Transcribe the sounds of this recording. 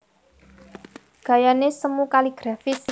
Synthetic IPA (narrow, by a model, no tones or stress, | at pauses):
ɡ̥a̤janesəmukaliɡ̥ɾafis